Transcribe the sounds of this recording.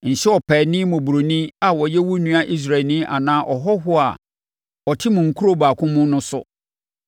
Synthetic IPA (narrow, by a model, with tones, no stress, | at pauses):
n̩˨ɕɛ˦ɔ˨pʰɛː˨nɪ̃˦mʊ̃˨bu˨ɾo˨nĩ˦a˨wɔ˨jɛ˦wu˦nũ˦a˦ʔi˦s̬ɾa˨nĩ˦ʔa̰˨nãː˦ʔɔ˨ɦɔ˦ɦʊ˦a̰˨ | ɔ˨tʰɪ˦mʊ̃˨ŋ̩˨kʰu˦ɾo˦baː˨kʰʊ̃˦mʊ̃˦nʊ̃˦sʊ̰˦